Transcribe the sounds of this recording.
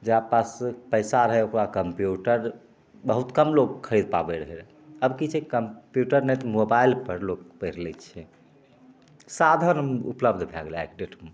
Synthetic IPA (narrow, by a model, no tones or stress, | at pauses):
d͡ʒaapaspəɪsaɾəɦɛokɾakəmpjuʈəɾ | bəɦut̪kəmlokkʰːəɾid̪̚ʱpa̰bɛɾəɦɛɾ | əbkit͡ʃʰɛkəmpjuʈəɾnɛt̪ɔmobailpəɾlokpəɾlɛt͡ʃʰɛ | sad̪ʱənṵpləbd̪ʱbʱɛɡlɛkɖeʈme